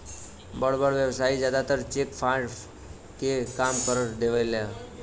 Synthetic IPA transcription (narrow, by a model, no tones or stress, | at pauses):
bəɭbəɽʋjəʋsaid͡ʑjad̪at̪əɾt͡ɕekfaɽ | kekamkəɾəɾd̪eʋəjlja